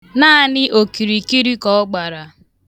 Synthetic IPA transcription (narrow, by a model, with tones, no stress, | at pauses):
naː˦˨nɪ˦ʔo˨ki˨ɾi˨ki˦ɾi˦kɔ˨ɔ˦ɡ͡ba˨ɾa˨